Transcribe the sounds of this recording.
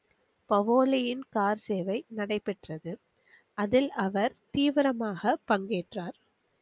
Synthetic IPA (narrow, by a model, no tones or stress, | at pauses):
pɐʋoːlɪjɪnkaːɾseːʋɐɪnɐɽɐɪpɛʈrɐðɯ | ɐðɪlɐʋɐɾt̪iːʋɪɾɐmaːɣɐpɐŋɡeːʈraːɾ